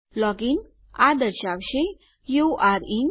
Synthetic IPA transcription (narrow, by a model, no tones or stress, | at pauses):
lɔɡin | a̰d̪əɾɕaʋɕe | juʔaɾi